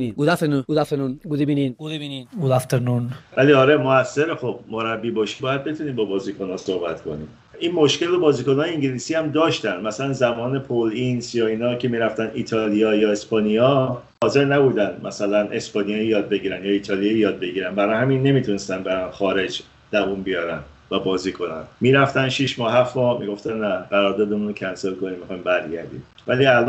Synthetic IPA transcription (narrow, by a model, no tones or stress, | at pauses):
iɡud̪æfenuud̪aftenunɡud̪ibiniɡuiniud̪aft̪enunvæliːɒːɾe̞moæsːe̞ɾexob̥moɾæbːiːbɒʃibɒːjæd̪̚be̞t̪ʰuniːmbɒːbɒːziːkʰo̞nɒːso̞hbæt̪kʰo̞̰nḭː | inmo̞ʃcelːobɒːziːkonɒːjeiŋɟiliːsiːæmd̪ɒːʃt̪ænd̪mæsælænzæmɒːne̞pʰolinsjɒːiːnɒːcʰe̞miːɾæft̪æniːt̪ʰɒlijɒːjɒːe̞spɒːnijɒ | hɒːze̞ɾnæbuːd̪ænd̪mʔæsælænʔe̞spɒnijɒjjɒːd̪̚be̞ɟiːɾænjɒiːt̪ʰɒːlijɒjjɒːd̪̚be̞ɟiːɾænbæɾɒːjhæminːe̞miːt̪ʰunest̪ænbeɾænxɒːɾe̞d͡ʒ | d̪̥ævunbijɒːɾæn | væbɒːziːkʰo̞næ̰nmiːɾæft̪ænʃiʃmɒːhæfmɒmḭɡo̞ft̪ænnæʁæɾɒːɾd̪ɒːd̪emunocʰænselko̞nimːixɒjimbæɾɟæ̰ɾd̪ḭm | væliælʔ